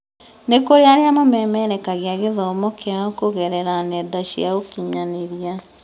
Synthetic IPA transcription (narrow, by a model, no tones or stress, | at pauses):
nekoɾeaɾeamamɛmɛɾɛkaɣeaɣeðɔomɔkʰeaɔkoɣɛɾɛɾanɛdaʃḭaokiɲaneɾja